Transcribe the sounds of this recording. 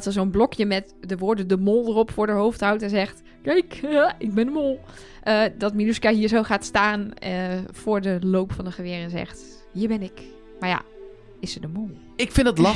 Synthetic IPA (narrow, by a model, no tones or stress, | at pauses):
tsəsonblɔkjəmɛt | dəʋʊːɹdədəmolˠdərɔpfʊːɹdəɦowftɦawtɛnzɛxt | kɛjkəɪɡ̚bɪndəmolˠ | ʔədɔtminuskaɦiːəɹzowχaːtstaːnəfʊːɹdəlowpfɔndəχəʋɪərɛnzɛ̰xt | hiːɹbɪnɪk | maɹja̰ | ɪsədəmulˠ | ɪkfɪ̃ndətlɑ